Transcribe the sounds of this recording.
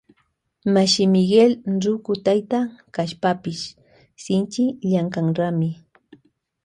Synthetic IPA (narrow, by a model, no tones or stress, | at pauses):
maʃɪmɪɡelɾʊkʊt̪ajt̪akaʃpapɪʃ | sɪnt͡ʃɪʎaŋkaŋɾamɪ